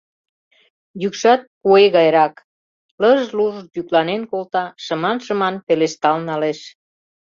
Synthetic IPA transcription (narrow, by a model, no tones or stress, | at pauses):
jykʃɑt̪̚kueɣɑjɾɑk | ləʒluʒd̪yklɑnenkolt̪ɑʃə̆mɑnʃəmɑnpeleʃt̪ɑlnɑleʃ